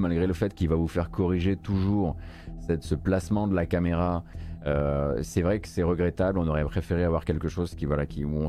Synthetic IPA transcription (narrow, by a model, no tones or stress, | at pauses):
malɡʁeləfɛt̪kʲilvavufɛʁkɔʁiʒet̪uʒuʁsɛsəplasmɑ̃d̪əlakameʁaøsɛvʁɛkə̥sɛʁəɡʁɛt̪ablɔ̃nɔʁɛpχefeʁeavwaʁkʲɛlkəʃozkʲivwalakʲiuɔ̃